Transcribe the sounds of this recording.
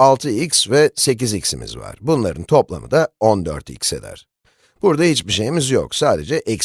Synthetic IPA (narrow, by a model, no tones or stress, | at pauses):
alˠt̪ʰɯicsvɛse̞c̬izicsimʔḭzva̰ɾ̥bunlˠaɾɯnt̪ʰo̞plˠa̰mɯ̰d̪ao̞nd̪øɾt̪ḭcse̞̰d̪æ̰ɾ̥ | b̥uɾd̪ahit͡ʃbiʃe̞jimizjo̰ksaːd̪e̞d͡ʒɛʔɛc